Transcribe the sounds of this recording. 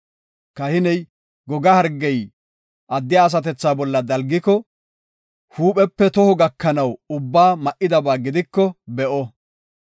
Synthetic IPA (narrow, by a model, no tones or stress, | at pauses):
kɐhɪnɛj | ɡɔɡɐhɐɾɡɛj | ʔɐd̪ːɪjaːs̬ɐt̪̬ɛt͡sːaːbɔlːɐd̪ɐlɡɪkɔ | huːpʼɛpːɛt̪ɔhɔɡɐkːɐnɐwʊbːaːmɐʔːɪd̪ɐbaːɡɪd̪ɪkːɔbɛʔɔ